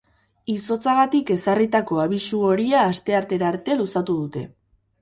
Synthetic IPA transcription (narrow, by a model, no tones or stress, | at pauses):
iso̞t͡saɣat̪ike̞sarit̪ako̞aβ̞isuo̞ɾiaːst̪e̞aɾt̪e̞ɾaɾt̪e̞lusat̪uðut̪e̞